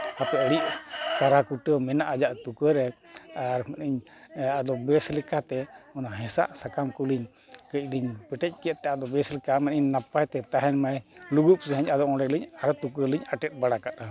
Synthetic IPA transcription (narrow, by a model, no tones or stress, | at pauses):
hapɛəɽiʔkaɾakuʈəmɛnaʔad͡ʒaʔt̪ukəɾɛaɾmɛnʔiɲ | ad̪ɔbɛslɛkat̪ɛɔnaɦɛ̃sa̰ʔsakamkuliɲ | kəc̚ˀliɲpɛʈɛc̚ˀkɛʔ̪̚t̪ːɛad̪ɔbɛslɛkamɛniɲnapajt̪ɛt̪aɦɛnmajluɡup̚sɛɦəɲad̪ɔʔɔ̃ɽɛliɲaɾt̪ukəliɲaʈɛt̪̚ˀbaɽakat̪a